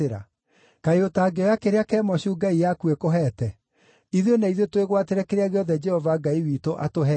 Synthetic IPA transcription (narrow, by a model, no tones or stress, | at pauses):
eɾa̰ | kaeotaːɡeɔjakeɾeakɛːmɔɕuɡaijakuekoɦɛːtɛ | iðjonaiðjotweɣwateɾɛkeɾeaɣeɔðɛd͡ʒɛhɔvaɡaiwiːtoʔa̰toɦɛ